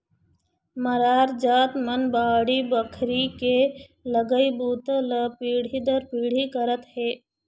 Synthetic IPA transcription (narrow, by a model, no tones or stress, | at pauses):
məɾaːɾd͡ʒaːt̪mənbaːɽibəkʰɾike | ləɡəibuːt̪ələpiːɽ̤id̪əɾpiːɽ̤ikəɾət̪ɦeː